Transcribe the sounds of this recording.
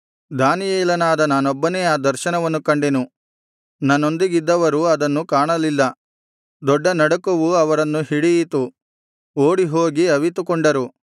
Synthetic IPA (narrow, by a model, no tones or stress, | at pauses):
d̪aːnijeːlɐnaːd̪ɐnaːnɔbːɐneːaːd̪ɐɾʃɐnɐʋɐnːukɐɳɖenu | nɐnːo̞nd̪iɡid̪ːɐʋɐɾuɐd̪ɐnːukaːɳɐlilːɐ | d̪ɔɖːɐnɐɽɐkuʋuɐʋɐɾɐnːuɦiɽijit̪u | oːɽiɦoːɡiɐʋit̪ukɔɳɖɐɾu